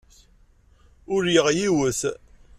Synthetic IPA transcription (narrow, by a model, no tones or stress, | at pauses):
ʊɾjəʁjiwəθ